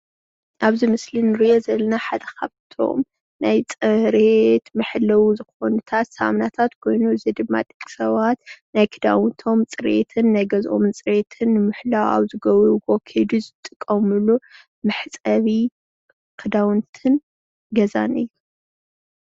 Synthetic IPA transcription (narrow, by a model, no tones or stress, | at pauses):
ʔaβzimɨslinɨɾijozɐlɐnaħad̪ɐkʰaβt̪ʰo̞̰m | najt͡sʼɨɾet̪mɨħlɐwuzɨxo̞nɨt̪ʰat̪sɐa̰mnat̪ʰat̪kʰo̞jnuɨzid̪ɨmːa̰t̪ʼɨkʼi̥sɐβat̪najkʰɨd̪awɨnt̪ʰo̞mt͡sʼɨɾḛt̪ʰɨnːajɡɐzʔo̞̰mnt͡sʼɨɾe̞t̪ʰɨnːɨmɨħlawa̰βzɨɡɐβɾuɡokʰed̪izɨt̪ʼɨkʼːɐmɨlu | mɨħt͡sʼɐβi | kʰɨd̪awɨnt̪ʰɨn | ɡɐza̰nɨjːu